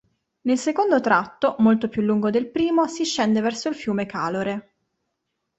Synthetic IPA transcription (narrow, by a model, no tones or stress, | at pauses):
nelsekond̪ot̪ɾat̪ːomolt̪opjulːuŋɡod̪elpɾiːmosiʃːɛnd̪evɛrsoilfjuːmekaːloɾe